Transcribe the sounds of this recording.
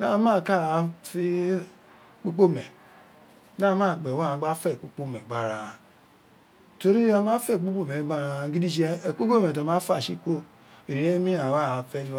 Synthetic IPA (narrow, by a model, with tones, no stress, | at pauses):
na˦˨˦ma˦˨ka˦˨˦fi˦ | k͡po˦k͡po˦mɛ˨ | na˦ma˦˨ɡ͡bɛ˨wa˦˨a˨˦ɡ͡ba˦fɛ˦˨k͡po˦k͡po˦mɛ˨ɡ͡ba˨ɾa˨ | to˨ɾi˦a˦ma˦fɛ˦˨k͡po˦k͡po˦˨me˨˦ɡ͡ba˦ɾa˨˦ɡi˦di˦d͡ʒi˦ɛ˦˨k͡po˦ko˦me˨t̬a˨mã˦fa˦˨ʃi˦ko˦ | i˨ɾi˨e˦mi˦a˨wa˦˨fɛ˦d